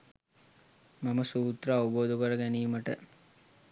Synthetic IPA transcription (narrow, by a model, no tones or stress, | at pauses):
mɐməsuːt̪ɾɐːʋuboːd̪ukəɾɐɡæniːməʈə̰